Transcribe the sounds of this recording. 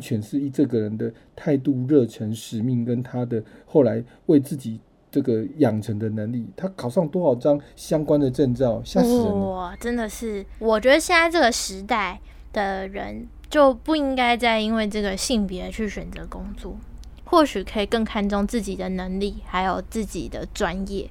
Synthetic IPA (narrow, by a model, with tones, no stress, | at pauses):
nt͡ɕʰɥɛ˧˥nʂɻ̩˥˧i˨˩ʈ͡ʂɤ˥˩ɡə˨ɻə˧˦nd̪ə˨ | t̪ʰa˥˧ɪt̪u˥˧ɻɤ˥˧ʈ͡ʂʰə˧˥ŋʂɻ̩˨˩mi˥˩ŋkə˦˥nt̪ʰa˥d̪ə˨xo˥˩ʊla˧˦ɪ | we˥˧ɪt͡sɹ̩˥˩t͡ɕi˨˩ | ʈ͡ʂɤ˥˩ɡə˩jɑ˨˩ŋʈ͡ʂʰə˧˦ŋd̪ə˨nə˧˥ŋli˥˩t̪ʰa˥kʰɑ˨˩ʊʂɑ˥˩ŋt̪wɔ˥xɑ˨˩ʊʈ͡ʂɑ˥ŋɕjɑ˥ŋkwa˦nd̪ə˨ʈ͡ʂə˥˧nt͡sɑ˥˨ʊɕa˥˧ɔ˨˩ʈ͡ʂə˦nd̪ə˨ʂɻ̩˥˩wɔ˨˩t͡ɕɥɛ˧˥d̪ə˧ɕjɛ˥˧nt͡sa˥˧ʈ͡ʂɤ˥˩ɡə˩ʂɻ̩˧˥t̪a˥˩ɪ | d̪̥ə˨ɻə̰˧˥n | t͡ɕjo˥˧ʊpu˥˩i˥ŋka˥ɪt͡sa˥˩ɪi˥nwe˥˧ɪʈ͡ʂɤ˥˩ɡə˩ɕi˥˩ŋpjɛ˧˥t͡ɕʰy˥˩ɕɥɛ˨˩nt͡sɤ˧˥˦kʊ˥ŋt͡swɔ̰˥˩ | xwɔ˥˩ɕy˨˩kʰə˧˥i˨˩kɤ˥˩ŋkʰa˥˧nʈ͡ʂʊ˥˧ŋt͡sɹ̩˥˩t͡ɕi˨˩d̪ə˦nə˧˥ŋli˥˩xa˧˥ɪjo˨˩ʊt͡sɹ̩˥˩t͡ɕḭ˨˩d̪ə˦ʈ͡ʂwa˦njɛ˥˩